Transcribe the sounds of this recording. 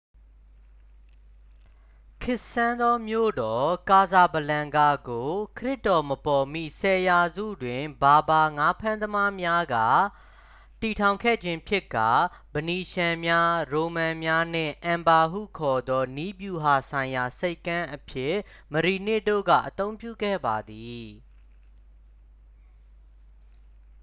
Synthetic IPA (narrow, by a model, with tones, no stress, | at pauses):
kʰɪ˦ʔsã˦nd̪ɔ˦mjo̰˦˨dɔ˨ka˨za˨bəlã˨ŋɡa˨ɡo˨kʰəɹɪ˦˨tːɔ˨məpɔ˨mḭ˦˨sɛ˨ja˨zṵ˦˨dwɪ̃˨ba˨ba˨ŋa˦pʰã˦nd̪əma˦mja˦ɡa̰˦˨ | ti˨tʰã˨ʊ̃ŋkʰɛ̰˦˨d͡ʑɪ̃˦pʰjɪ˦˨kːa̰˦˨ | b̥əni˨ʃã˨mja˦ɹo˨mã˨mja˦n̥ɪ̰̃˦˨ʔã˨mba˨ɦṵ˦˨kʰɔ˨d̪ɔ˦ni˦bju˨ɦa˨sʰã˨ɪ̃ja˨se˦ɪkːã˦ʔəpʰjɪ˦˨ | məɹi˨nɪ˦˨do̰˦˨ɡa̰˦˨ʔət̪õ˦ʊ̃mpjṵ˦˨ɡɛ̰˦˨ba˨d̪i˨